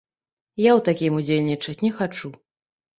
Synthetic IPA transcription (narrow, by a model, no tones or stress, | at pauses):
jawt̪akʲimud͡zʲelʲnʲit͡ʂɐsʲtʲnʲɛxat͡ʂu